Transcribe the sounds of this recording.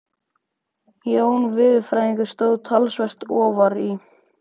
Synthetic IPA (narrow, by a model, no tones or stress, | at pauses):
joːwnvɪðfɾaːjɪ̃ŋkʏ̥st̪oːwðt̪ʰalsvɛr̥t̪ɔːvaɾi